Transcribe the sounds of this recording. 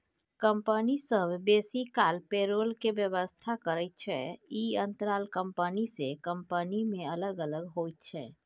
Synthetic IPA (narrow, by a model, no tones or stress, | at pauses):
kəmpənisəbʱbesikalpeɾolkebjəʋəst̪ʰakəɾət̪̚t͡ʃʰɛ̰iənt̪ɾalkəmpənisekəmpənimẽələɡələɡɦojt̪̚t͡ʃʰɛ̰ː